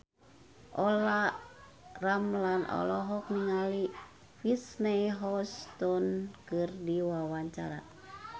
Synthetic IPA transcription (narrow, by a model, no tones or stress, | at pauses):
ʔɔla | ramlanʔɔ̰lɔɦɔk̚niŋali | fisnɛjɦɔst̪ɔnkɨrdiwawaɲt͡ʃaɾa̰